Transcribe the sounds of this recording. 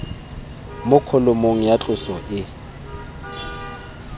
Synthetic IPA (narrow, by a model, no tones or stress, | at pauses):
mʊkʰʊlʊmoŋ̩jat͡ɬʼʊsɔʔɪ